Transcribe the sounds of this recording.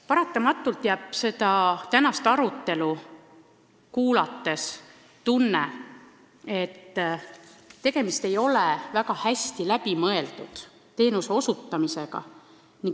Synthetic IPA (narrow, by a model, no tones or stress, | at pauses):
pɑɾɑt̪ːˑɑmɑt̪ːˑult̪jæːb̥se̞d̪ɑt̪ænɑst̪ɑɾut̪ˑːe̞lu | kuːlɑt̪ːˑe̞s | t̪unːe | e̞t̪ː | t̪ːe̞ɡ̥e̞mist̪e̞jo̞levæɡ̥ɑhæsʲt̪ilæbimɤ̞e̞ld̪̥ud̪̥ | t̪e̞ːnuse̞o̞sut̪ːɑmise̞ɡ̥ɑ̰ | niŋ